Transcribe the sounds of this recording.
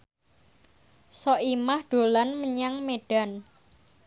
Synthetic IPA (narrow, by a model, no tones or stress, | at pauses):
sɔʔimahɖ̪̥o̤lanməɲaŋmeɖ̥a̤n